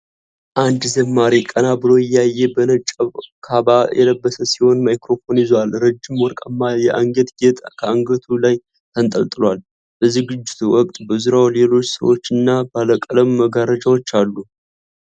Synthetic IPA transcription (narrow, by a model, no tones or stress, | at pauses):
ʔand̪zəmːaɾikʼənabɨlo̞jɪjɛajːɛbənət͡ʃʼːəβkʰabajʔɛ̰ləbːəsəsiho̞nmajkɾo̞fo̞nɪzalɾəd͡ʒːɪmwɔɾkʼəmːajɛʔaŋɡət̪ɡet̪ʰʼakʰəaŋɡət̪ʰulaj | t̪ʰənt̪ʼəlt̪ʼɨlwal | bəzɨɡɨd͡ʒːɪ̥t̪ʰuwɔkʼt̪ʼbəzuɾawle̞lo̞t͡ʃːsə̰wo̞̰t͡ʃːɨnːabaləkʼələmːəɡaɾəd͡ʒawot͡ʃːalːu